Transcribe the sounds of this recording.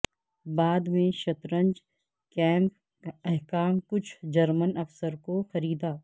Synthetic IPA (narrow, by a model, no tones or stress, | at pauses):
baːd̪mẽʃɐt̪ɾə̃ɲd͡ʒ | kɛ̃ːmp | ɛɦkaːmkʊt͡ʃʰd͡ʒɐɾmənɐfsəɾkoxɐɾiːd̪aː